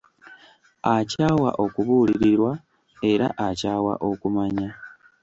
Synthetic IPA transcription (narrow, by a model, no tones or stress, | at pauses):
acaːwa̰ʔo̞kuβuːliɾiɾwa | e̞ɾa̰ʔacaːwa̰ʔo̞kumaɲa